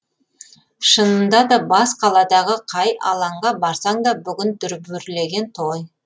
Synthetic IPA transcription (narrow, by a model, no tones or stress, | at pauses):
ʃənənd̪ɑd̪ɑbɑsqʰɑlˠɑd̪ɑʁəqʰɑjɑ̰lˠɑɴʁɑbɑɾsɑɴd̪ɑbʏɡʲɪnd̪ʏɾbʏɾle̞ɡʲe̞nt̪ʰoj